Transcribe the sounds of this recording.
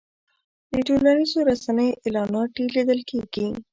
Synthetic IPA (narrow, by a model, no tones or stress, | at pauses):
d̪əʈolanizoɾasanəjoʔelɑnɑʈilid̪əlkʰeɡi